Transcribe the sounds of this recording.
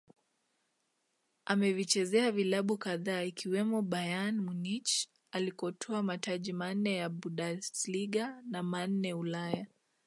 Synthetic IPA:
amɛvit͡ʃɛzɛavilaɓukaðaːikiwɛmɔɓajanmunit͡ʃ | alikɔtʰɔamataʄiman̩nɛjaɓuɗasliɠanaman̩nɛulaja

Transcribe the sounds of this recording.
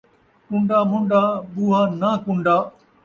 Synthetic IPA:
kʊ̃ɳɖaːmʊ̃ɳɖaːɓuːɦaːnaːkʊ̃ɳɖaː

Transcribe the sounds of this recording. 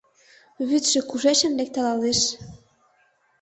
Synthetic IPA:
βyt̪ʃĕkuʒeʃə̆nlek̚t̪ə̆lɑleʃ

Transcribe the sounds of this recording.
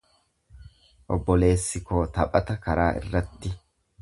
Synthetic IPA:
ʔɔ̰bːɔle̞ːsːɪkoːt̪ɐpʼɐt̪ɐkɐɾaːʔɪ̰rːɐt̪ːɪ

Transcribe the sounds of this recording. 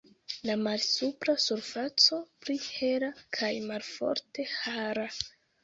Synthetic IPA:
lamalsupɾasuɾfat͡so̞plihe̞ɾakʰajmalfo̞̰ɾte̞haaɾa

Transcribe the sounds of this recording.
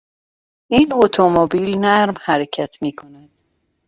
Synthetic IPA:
iːnot̪ʰomobiːlnæɾmhæɾecʰæt̪ʰmiːkʰonæd̪̥

